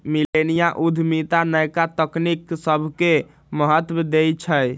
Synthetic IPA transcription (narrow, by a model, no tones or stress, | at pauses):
milenijaʔud̪ʱmit̪anəjkat̪əkniksəbʱke | məɦət̪wəd̪ejt͡ʃʰəj